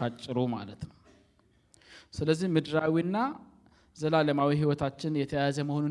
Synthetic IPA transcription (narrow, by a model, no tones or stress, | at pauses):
at͡ʃʼːɨɾoma̰lət̪nəw | sɨləzːihmɨd̪ɾawinːa | zəlaləmawiɦiwɔt̪ʰat͡ʃːɪnjɛt̪ʰəjajazəməho̞nu